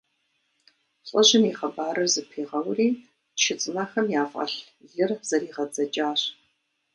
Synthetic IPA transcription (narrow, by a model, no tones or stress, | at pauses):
ɕʼɐʑɪniːʁɐbaːɾɨrzɨpʰiːʁɐwriː | ʃʰɪt͡sʼɨnɐxɐmjaːfʔɐ̰ɬ | ɮɨrz̥ɐɾiːʁɐd͡zɐt͡ʃʼaːɕ